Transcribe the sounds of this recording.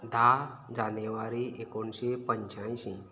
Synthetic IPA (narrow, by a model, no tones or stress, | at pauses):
d̪ʱaɾd͡ʒaneʋaɾiekonsepəɲt͡ʃãĩsĩ